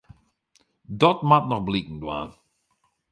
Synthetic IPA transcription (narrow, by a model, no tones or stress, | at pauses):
dɔtmatnɔχblikn̩dwa̰ː